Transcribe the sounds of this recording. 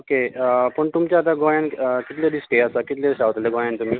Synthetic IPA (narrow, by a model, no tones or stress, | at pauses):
okepəɳt̪umt͡ɕaat̪̬ãɡojankit̪leɖisʈeasakit̪leɕaʋt̪leɡojaɳt̪um̤iː